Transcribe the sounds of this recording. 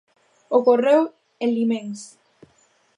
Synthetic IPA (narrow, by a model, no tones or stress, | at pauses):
okorew | enlimẽŋs